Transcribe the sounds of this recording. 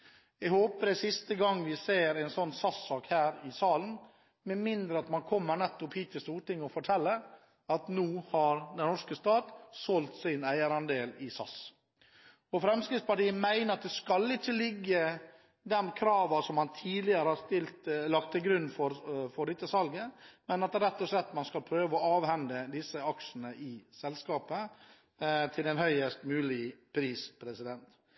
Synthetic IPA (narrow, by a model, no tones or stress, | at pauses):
ɛɡhoːpəɾɛsɪst̪əɡɑŋːʋɪseːɾæɪnsɔnːsɑsːɑːkhæːɾɪsɑːln | mɛmɪnd̪ɾəɑt̪mɑnkʰɔmːəɳɛt̪ːɔphiːt̪ɪst̪uːɾʈɪŋːɔfɔʈʰɛlːə | ɑt̪nuːhɑɾd̪ɛnnɔʂkəst̪ɑːt̪sɔlt̪sɪnæɪəɾɑnd̪eːlɪsɑ̰s | ɔfɾɛmskɾɪt̪spɑʈiːəmæɪnəɾɑt̪̚d̪ɛskɑlɪt͡ʃːəlɪɡːə | d̪ɛmkʰɾɑːʋəsɔmhɑnt̪ʰiːd̪ɪəɾəhɑɾst̪ɪlt̪lɑkt̪ːɪlɡɾʉnːfɔɾfɔɖɪt̪ːəsɑlɡəmɛnɑt̪ɾɛt̪ːɔʂlɛt̪ːmɑnskɑlpʰɾøːʋəɔɑːʋhɛnd̪əd̪ɪsːəɑkʂn̩əʔɪsɛlskɑːpə | t̪ʰɪlɛnhœʏəst̪mʉːlɪpʰɾiːspʰɾɛsɪd̪ɛnt̪